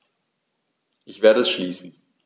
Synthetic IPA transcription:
ʔɪçv̥eːɐɾəɛsʃliːsn̩

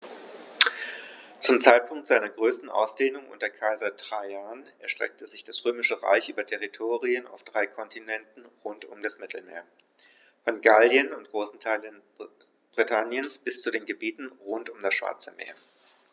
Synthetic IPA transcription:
t͡sʊmt͡saɪt̚pʰʊŋktz̥aɪnɐɡʁøːstn̩ʔa̰ʊsd̥eːnʊŋʔʊ̰ntɐkʰaɪzɐtʁ̥aɪaːnʔɛɐʃtʁ̥ɛ̰k̚təzɪçd̥asʁøːmɪʃəʁa̰ɪçʔyːbɐtʰɛʁitʰoːʁiəna̰ʊfd̥ʁaɪkʰɔntinɛntn̩ʁʊntʊmdasmɪtʰl̩mḛːɐ | fɔnɡaljənʊntɡ̥ʁoːsn̩tʰaɪlən | b̥ʁitʰanjənsb̥ɪst͡sudeːnɡəbiːtn̩ʁʊntʊmdasʃv̥a̰ɐt͡səmḛːɐ

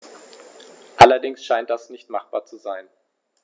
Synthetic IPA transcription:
ʔalɐdɪŋsʃaɪntd̥asnɪçtmaχb̥aːɐt͡suzaɪn

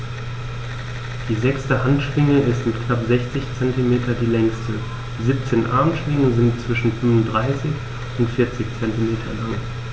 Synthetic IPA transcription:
d̥iːzɛkstəɦantʃv̥ɪŋəɪstmɪtknapz̥ɛçt͡sɪçt͡sɛntimeːtʰɐdiːlɛŋstʰə | d̥iːziːp̚t͡seːnʔa̰ɐmtʃv̥ɪŋəzɪntt͡sv̥ɪʃn̩fʏmvʊndʁaɪsɪç | ʊntfɪɐt͡sɪçt͡sɛntimeːtʰɐlaŋ

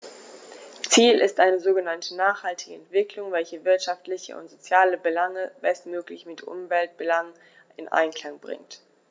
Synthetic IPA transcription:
t͡siːlɪ̰stʔaɪnəzoːɡənantʰənaːχhaltɪɡəɛntv̥ɪklʊŋvɛlçəvɪɐtʃaftlɪçə̰ʊ̰ntz̥ot͡sjaːləbəlaŋəb̥ɛstmøːklɪçmɪtʔʊ̰mvɛlt̚b̥əlaŋ | ɪnʔa̰ɪnkl̥aŋbʁɪ̰ŋt

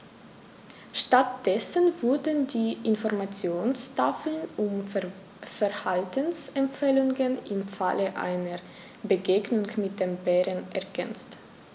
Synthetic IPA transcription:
ʃtatd̥ɛsənvʊɐdəndiːʔɪnfɔɐmat͡sjoːnstaflənʔʊm | fɛɐhaltənsɛmfɛːlʊŋənʔɪmfa̰ləʔa̰ɪnəɐ | bəɡeːɡnʊŋmɪt̚d̥embɛːʁənʔɛɐɡɛnt͡st

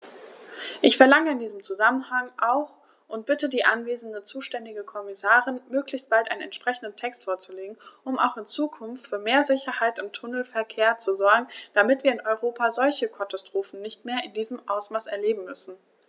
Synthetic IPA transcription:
ʔɪçfɛɐlaŋəɪndiːzəmt͡suzamənhaŋʔaʊx | ʔʊnt̚b̥ɪtədiːʔanveːzn̩dət͡suːʃtɛndɪɡəkʰɔmɪsaːʁɪnmøːklɪçst̚b̥altʔaɪnnɛ̰ntʃpʁ̥ɛçn̩dən̩tʰɛkstfoːɐt͡suleːɡŋ̩ʔʊma̰ʊxɪnt͡suːkʰʊnftfyːɐmeːɐzɪçɐhaɪtɪmtʰʊnl̩fɛɐkʰeːɐt͡suzɔɐɡŋ̩d̥amɪtv̥iːɐɪnʔɔʏʁoːpazɔlçəkʰatastʁ̥oːfn̩nɪçtmeːɐɪndiːzəmʔaʊsmaːsɛɐleːbm̩mʏsn̩

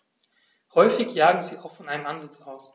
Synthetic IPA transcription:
hɔʏfɪçjaːɡŋ̩ziːaʊxfɔnʔaɪnəmʔanzɪt͡saʊs

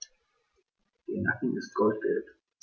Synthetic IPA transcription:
d̥eɐnakn̩ɪst̚ɡ̥ɔlt̚b̥ɛ̰lt

